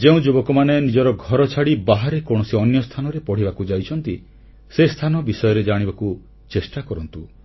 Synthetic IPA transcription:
d͡ʒeũd͡ʒubɔkɔmanenid͡ʒɔɾɔɡʱɔɾɔt͡ʃʰaɽibaɦaɾekoɽ̃ɔsiɔnjɔst̪ʰanɔɾepɔɽ̤ibakud͡ʒajt͡ʃʰɔnt̪i | sest̪ʰanɔbisɔjɔɾed͡ʒaɽ̃ibaku | t͡ʃesʈakɔɾɔnt̪u

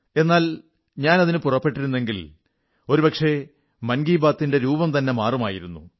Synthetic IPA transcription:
e̞nːaːl | ɲaːnɐðinɨpurɐpːe̞ʈːiɾunːe̞ŋɡil | o̞ɾupɐkʂe̞ | mɐnɡiːbaːt̪ːinde̞ɾuːbɐmt̪ɐnːe̞maːrumaːjiɾunːṵ

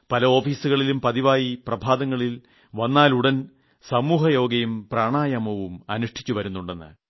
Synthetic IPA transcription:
pɐlɐo̞ːfiːsuɣɐɭilumpɐðiʋaːjiprɐbʱaːd̪ɐŋːɐɭil | ʋɐnːaːluɽɐn | sɐmuːɦɐjo̞ːɡɐjumpraːɳaːjɐmɐʋumɐnuʂʈʰi̥t͡ɕːuʋɐɾunːuɳɖe̞nːɨ̰

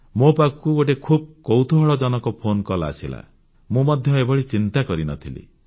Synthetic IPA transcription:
mopakɔkuɡoʈ̬ekʰub̚kowt̪ʰuɦɔɭɔd͡ʒɔnɔkɔpʰonkɔlaːsila̰ | mũmɔd̪ʱjɔebɔɭit͡ʃint̪akɔɾinɔt̪ʰilḭ

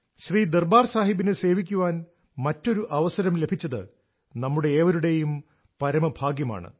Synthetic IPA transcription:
ɕriːd̪erbaːrsaːɦibinɨse̞ːʋikʲːuʋaːn | mɐtːo̞ɾuʔɐʋɐsɐɾɐmle̞bʱit͡ɕːɐðɨ | nɐmːuɽe̞ːʋɐɾuɽe̞jum | pɐɾɐmɐbʱaːɡjɐma̰ːɳɨ̰

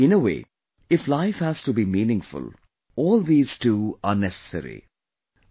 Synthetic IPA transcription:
ɪ̃nəwḛː | ɪflaɪfhæz̥ʈubiːmĩːnɪ̃ŋfʊ̰l | ɔːld̪iːz̥ʈuːaɾnɛsə̥sə̰ɾḭ

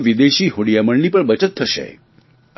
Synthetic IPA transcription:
ʋid̪eɕiːɦoɽijaməɳniːpəɳbət͡ɕət̪̚ːʰəʃḛ

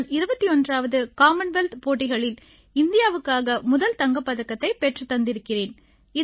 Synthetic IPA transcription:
nɪɾɯbɐt̪ːiɔndraːʋɐðɯkaːmɐnʋɛlt̪poːʈːɪɣɐɭɪl | ɪnd̪ɪjaːʋɯkːaːɣɐmʊðɐlt̪ɐŋɡɐpːɐðɐkːɐt̪ːɐɪpɛʈrɯt̪ːɐnd̪ɪɾɯkːɪreːn | ɪ

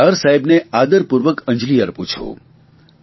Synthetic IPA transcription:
əɾsaɦibnead̪əɾpuɾʋəkə̃ɲd͡ʒlijəɾput͡ʃʰo̰

